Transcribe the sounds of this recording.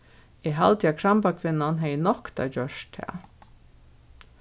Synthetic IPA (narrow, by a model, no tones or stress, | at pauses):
ɛɦalt̪jakʰɾampakʰvɪnːanɦɛjnɔkt̪a̰d͡ʑœʃt̪ʰhæ̰ː